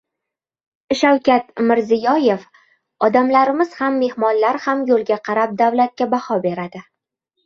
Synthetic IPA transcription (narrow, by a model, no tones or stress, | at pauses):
ʃawkʲat̪mɪɾzɪjɒje̞f | ɒd̪amlaɾɪmɪz̥hamːe̞hmɒnlaɾhamjolˠɡʲaqʰɑɾap̚d̪awlat̪̚kʲabahɒbe̞ɾad̪ɪ